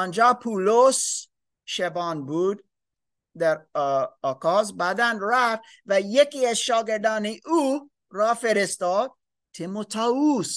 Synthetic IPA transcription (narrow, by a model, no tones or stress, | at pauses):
ɑnd͡ʒɑːpʰulos | ʃebɑːnbuːd̪ | d̪æɾɑːkɑːzbæd̪ænɾæft̪ | væjekiːæzʃɑːɡeɾd̪ɑːneʔu | ɾɑːfeɾest̪ɑːd̪̚ | t̪ʰemot̪ʰɑːus